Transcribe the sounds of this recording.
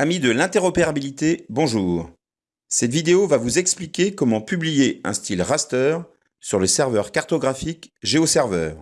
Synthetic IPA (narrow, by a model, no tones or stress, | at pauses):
amid̪əlɛ̃t̪ɛʁɔpeʁabilit̪ebɔ̃ʒuːʁ | sɛt̪vid̪eovavuzɛksplikʲekɔmɑ̃pyblijeɛ̰̃st̪ilʁast̪œːʁ | syʁləsɛʁvœʁkaʁt̪ɔɡʁafikʒeosɛʁvœːʁ